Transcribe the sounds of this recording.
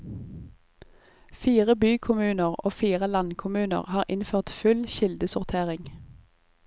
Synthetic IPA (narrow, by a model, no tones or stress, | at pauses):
fiːʁəbyːkʰʊmʉːnəʁoːfiːʁəlɑnkʰʊmʉːnə̰ʁhɑːʁʔɪnføːʁt̪fʉlʃɪld̪əsʊʁt̪ʰeːʁɪŋ